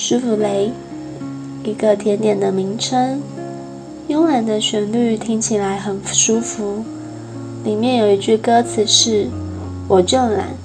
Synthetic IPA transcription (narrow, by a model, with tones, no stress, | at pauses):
ʂu˥fu˧le˧˥ɪ | i˧˥ɡə˧t̪ʰjɛ˧˥nt̪jɛ˨˩nd̪ə˦mi˧˥ŋʈ͡ʂʰə˥ŋ | jʊ˥ŋla˨˩nd̪ə˧ɕɥɛ˧˥nly˥˩t̪ʰi˥ŋt͡ɕʰi˨˩la˧˥ɪxə˨˩nʂu˥fu˧˥ | li˨˩mjɛ˥˩njo˨˩ʊi˧˥t͡ɕy˥˩kɤ˥t͡sʰɹ̩˨˩ʂɻ̩˥˩ | wɔ˨˩ʈ͡ʂɤ˥˩ŋla̰˧˩˦n